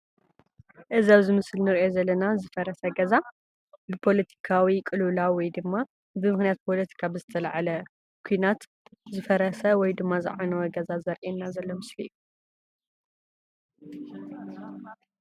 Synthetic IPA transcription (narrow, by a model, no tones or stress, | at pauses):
ʔɨziaβzɨmɨslnɨɾʔo̞zɐlːɐnazɨfɐɾɐsɐɡɐza | bɨpʰo̞lɐt̪ʰi̥kʰawikʼɨlulawwɔjd̪ɨmːa | bɨmɨxnijat̪̚pʰo̞lɐt̪ʰi̥kʰabɨzɨt̪ʰɐlaʕalɐ | kʰujnat̪ | zɨfɐɾɐsɐwɔjd̪ɨmːazɨ̰ʕanɐwɔɡɐzazɐɾʔenːazɐlːo̞mɨslḭːu